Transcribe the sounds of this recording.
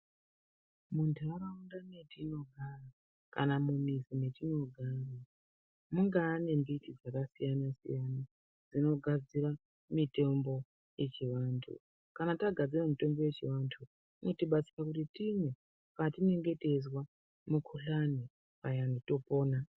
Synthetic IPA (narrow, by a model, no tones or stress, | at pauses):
muntʰaɾaundanetino̞ɡʱara | ka̰namumisimetino̞ɡʱara | muŋɡaːne̞mbitid͡zakasijanasḭjana | d͡zino̞ɡʱad͡zira | mite̞mbo̞ | je̞t͡ʃiʋaːntʰṵ | kanataɡʱad͡ziramito̞mbo̞je̞t͡ʃiʋantʰu | ino̞tiɓat͡si̥rakutitimwe̞ | patine̞ŋɡe̞te̞zwa | mukʰuɬani | pajandito̞po̞ːna